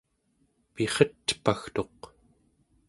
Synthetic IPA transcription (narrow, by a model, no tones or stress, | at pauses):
pe̞χʌt̪paxt̪o̞q